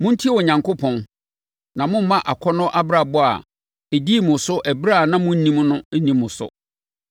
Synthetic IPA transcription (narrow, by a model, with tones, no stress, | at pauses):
mʊ̃˦n̩˦tʰi˦wɔ˨ɲã˨ŋko˦pʰɔ̃˨n | nã˨mʊ̃˦m̩˦mã˦ʔa˨kʰɔ˦nɔ̃˦ʔa˦bɾa˨bɔ˦a̰˨ | e˨di˦˨mʊ̃˨sʊ˦ʔæ˨bɾa˦˨nã˦mʊ̃˦n̩˦nĩ˦m˦nʊ̃˦nĩ˦mːʊ̃˨sʊ̰˨